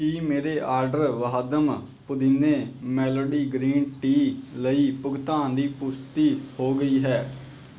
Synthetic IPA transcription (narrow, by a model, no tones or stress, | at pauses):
kiːmeːɾeːʔaːɾɖəɾʋəɦəd̪əm | pʊd̪ineːmɛːloːɖiːɡɾiːnʈiːləiːpʊɡt̪ãːnd̪iːpʊst̪iːhoːɡəiːɦɛː